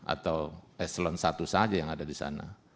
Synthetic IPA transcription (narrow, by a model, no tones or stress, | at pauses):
a̰t̪awɛslɔnsat̪usad͡ʒajaŋadadisa̰na̰